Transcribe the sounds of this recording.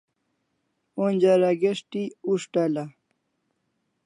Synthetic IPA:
onʲd͡ʑaɾaɡeʂʈiuʂʈala

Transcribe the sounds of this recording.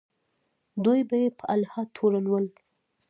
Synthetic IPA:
d̪ujbajepəalhɑt̪ʰoɾanwəl

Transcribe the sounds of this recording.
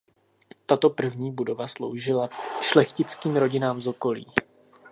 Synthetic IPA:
t̪at̪o̞pr̩vɲiːbudo̞vaslo̞̰wʒɪlaʃlɛxcɪt͡skiːmɾo̞ɟɪnaːmzo̞ko̞lḭː

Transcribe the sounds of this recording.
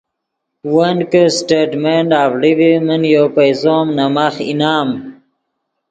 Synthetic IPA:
wənkəsʈeɖmeɳɖaːvɽivimənjopajzoːmnamaxḭnaːm

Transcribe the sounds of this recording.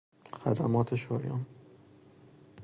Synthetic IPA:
xæd̪æmɒːt̪ʰeʃɒːjɒ̰ːn

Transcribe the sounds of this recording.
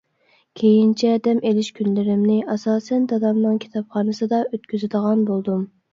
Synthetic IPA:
kʲʰejint͡ʃʰɛd̪ɛmelɪʃkʲʰynlɪɾɪmnɪʔɑsɑːsɛnd̪ɑd̪ɑmnɨŋkʲʰi̥t̪ʰɑpχɑːnɨsɨd̪ɑøt̪kʲyzɪd̪əʁɑnbolˠd̪um

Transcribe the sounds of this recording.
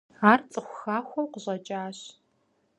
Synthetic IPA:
aːrt͡sʼɨxʷʊxaːxʷɔwqʷʊʑɐt͡ʃʼaːɕ

